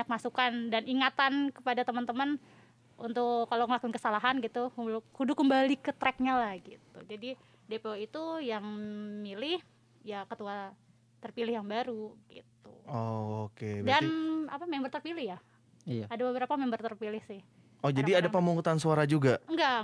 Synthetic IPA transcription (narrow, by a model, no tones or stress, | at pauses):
ɲak̚masukandaniŋat̪ankəpadat̪əmənt̪əmən | ʔṵnt̪ʊkːalawŋəlakunkəsalaɦanɡit̪ukudukəmbalikət̪ɾɛk̚ɲalahɡit̪ṵd͡ʒadi | depeoit̪ujaŋmilɪh | jakət̪ua | t̪ərpilɪhjaŋbaɾuɡḭt̪uookebdana̰pamɛmbərt̪ərpilɪhja | adabəbəɾapamɛmbərt̪ərpilɪhsɪh | od͡ʒadiadapəmuŋut̪ansuaɾad͡ʒuɡaŋɡa